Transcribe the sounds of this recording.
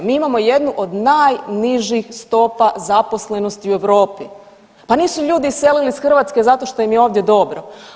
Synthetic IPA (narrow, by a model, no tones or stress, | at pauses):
miːimamo̞je̞d̪nuʔo̞d̪naːjniʒixst̪o̞pazapo̞sle̞no̞st̪iue̞ʋɾo̞ːpi | paniːsuʎuːd̪ise̞lilisxr̩ʋat̪ske̞zat̪o̞ʃt̪o̞jimjeo̞ːʋd̪je̞d̪o̞bɾo